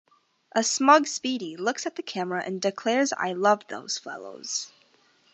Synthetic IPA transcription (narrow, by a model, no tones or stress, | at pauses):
ʔəsmʌɡspiɾilʊksɨt̪̚ðɨkʰæmə˞ɨʔɨ̰̃ndɨkʰl̥ɛɹza̰ɪlʌvðo̰ʊz̥fɛ̰lˠo̰ʊz̥